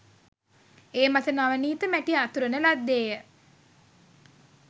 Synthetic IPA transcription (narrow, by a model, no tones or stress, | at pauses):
eːmat̪ənaʋəniːt̪əmæʈiat̪uɾənəlad̪ːeːjə